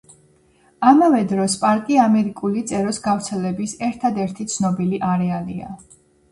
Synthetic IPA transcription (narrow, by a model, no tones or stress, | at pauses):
amavɛd̪ɾɔspʼaɾkʼiamɛɾikʼulit̪sʼɛɾɔsɡavɾt̪sʰɛlɛbisɛɾt̪ʰad̪ɛɾt̪ʰit̪sʰnɔbiliʔaɾɛalḭa̰